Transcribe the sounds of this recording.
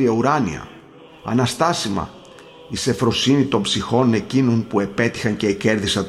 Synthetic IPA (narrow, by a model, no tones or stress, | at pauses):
iɐuɾɐnḭɐ̰ | ɐ̰nɐst̪ɐsimɐ̰ | ise̞fɾo̞sinit̪o̞mbsixo̞ne̞cino̞npue̞pe̞t̪i̥xɐnce̞ːce̞ɾðisɐ